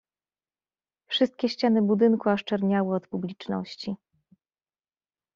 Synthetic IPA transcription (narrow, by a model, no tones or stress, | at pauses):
fʂɘst̪̚kʲɛɕt͡ɕanɘbud̪ɘnkuaʂt͡ʂɛɾɲawɘɔt̪publʲit͡ʂnɔ̰ɕt͡ɕi